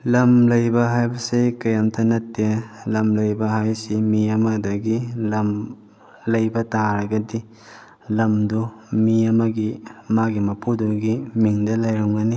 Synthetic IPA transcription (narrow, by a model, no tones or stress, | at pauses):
lɐmlɐjbɐɦajbɐsekɐjamtʰɐnɐtːelɐmlɐjbɐɦajsimiɐmɐdɐɡilɐm | lɐjbɐtaɾɐɡɐdi | lɐmdumiɐmɐɡimaɡimɐpʰuduɡimiŋdɐlɐjɾɐmɡɐni